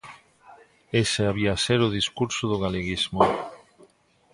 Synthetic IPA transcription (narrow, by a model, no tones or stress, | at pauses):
eseaβiaseɾʊðiskuɾsoðʊɣaleɣizmo